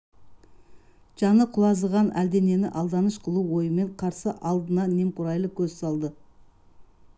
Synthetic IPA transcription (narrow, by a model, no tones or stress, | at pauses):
ʒ̥ɑnəqʰʊlˠɑzəʁɑnʔæ̰ld̪e̞ne̞nɪʔɑlˠd̪ɑnəʃqʰəlˠuwo̞jəme̞ɴqʰɑɾsəʔɑlˠd̪ənɑne̞mqʊɾɑjlˠəkʲʰɵzsɑlˠd̪ə